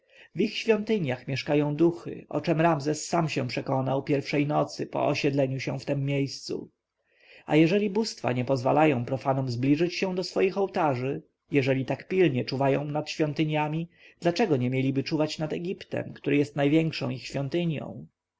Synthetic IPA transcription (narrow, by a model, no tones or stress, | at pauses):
vixɕfʲjɔnt̪ɘɲjaxmʲjɛʂkajɔ̃w̃d̪uxɘ̰ʔɔ̰t͡ʂɛmɾamzɛsːamɕɛpʂɛkɔnawpʲjɛɾfʂɛjnɔt̪sɘpɔ̰ɔɕɛd̪lɛɲuɕɛft̪ɛmːjejst̪sṵ | a̰jɛʐɛlʲibust̪fa̰ɲɛpɔzva̰lajɔ̃w̃pɾɔfanɔmzblʲiʐɘt͡ɕɕɛ̃w̃d̪ɔsfɔjixɔwt̪aʐɘ | jɛʐɛlʲit̪akpʲilɲɛt͡ʂuvajɔ̰̃w̃nat̪ɕfʲjɔ̃nt̪ɘɲjamʲi | d̪lat͡ʂɛɡɔɲɛmʲjelʲibɘt͡ʂuvat͡ɕnad̪ɛɡʲipt̪ɛ̰mkt̪uɾɘjɛst̪najvʲjɛŋkʂɔ̰̃w̃ixɕfʲjɔnt̪ɘɲjɔ̰̃w̃